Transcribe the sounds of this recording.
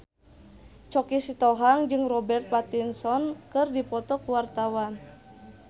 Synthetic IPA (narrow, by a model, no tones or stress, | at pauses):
t͡ʃɔkisit̪ɔɦaŋd͡ʒɨŋrɔbɛrt̪̚pat̪insɔnkɨrdipɔt̪ɔkuwart̪awan